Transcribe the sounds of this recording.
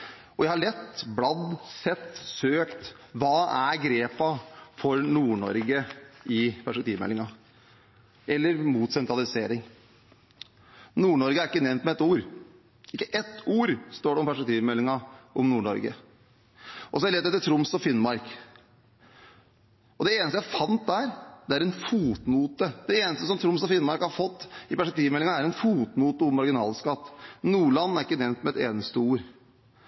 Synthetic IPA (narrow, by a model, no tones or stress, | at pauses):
ɔjæɪhɑɭɛt̪ːblɑd̪sɛt̪ːsøːkt̪ʋɑːæɾɡɾeːpɑfɔɾnuːɳɔ̰ɾɡəʔɪpʰæʂpɛkt̪iːʋmɛ̰lːɪŋɑ | ɛlːəɾmuːt̪sɛnt̪ɾɑlɪseːɾɪŋ | nuːɳɔɾɡəæɾɪkːənɛmnt̪mɛɛt̪ːuːɾ | ɪkːəʔɛt̪ːuːɾst̪oːɖɛɔmpæʂpɛk̚t̪ʰiːʋmɛlːɪŋɑʔɔmnuːɳɔ̰ɾɡə̰ | ʔɔsɔæɛlɛt̪ːɛt̪ːəʈʰɾʊmsɔfɪnmɑɾk | ɔd̪ɛeːnəst̪əjæɪfɑnt̪̚d̪æːɾd̪̥ɛæɾɛnfuːt̪nuːt̪əd̪̥ɛeːnəst̪əsɔmt̪ʰɾʊmsɔfɪnːmɑɾkhɑɾfɔt̪ːɪpæʂpɛk̚t̪ʰiːʋmɛlːɪŋɑæɾɛnfuːt̪nuːt̪əʊmːɑɾɡɪnɑ̰ːlskɑt̪ːnuːɭɑnːæɾɪkːənɛʋnt̪mɛɛt̪ḛːnəst̪əuːɾ